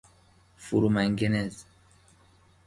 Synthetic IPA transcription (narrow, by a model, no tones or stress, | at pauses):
fuɾumæŋɡenez